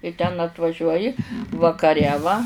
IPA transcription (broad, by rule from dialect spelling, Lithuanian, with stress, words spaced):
ɪ tʲɛn ɐtʋɐˈʒʲuɔjɪ ʋɐkɐˈrʲɛ ʋɐ